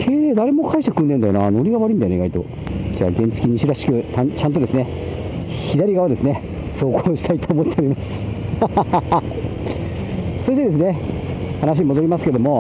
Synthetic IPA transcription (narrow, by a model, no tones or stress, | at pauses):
kʰe̞ːɾeːd̪aɾe̞mo̞kʰaiɕit̪ekɯ̃nd̪ẽnd̪ajonano̞ɾʲiɡaβaɾɯ̟ind̪ajoeiɡait̪o̞̰ | d͡ʑa̰ːɡẽ̞nt͡sɨ̥kʲiɲ̟iɕiɾaɕi̥kɯ̟t̪ãt͡ɕãnt̪̬od̪e̞sɨne̞ | çid̪aɾʲiɡaβad̪e̞sɨne | so̞ːkoːɕi̥t̪ʰait̪oːmo̞t̪ːeoɾʲimasɨ̥ | so̞ɕit̪e̞d̪e̞s̬ɨne̞ | hanaɕ̬imo̞d̪o̞ɾʲimasɨ̥ke̞ed̪o̞mo̞